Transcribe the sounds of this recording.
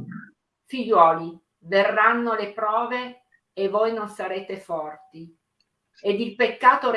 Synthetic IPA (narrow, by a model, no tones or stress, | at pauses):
fiʎːwɔːli | verːanːolepɾɔːveː | voːjnonsaɾeːt̪efɔrt̪i | ed̪ilpekːaːt̪oɾ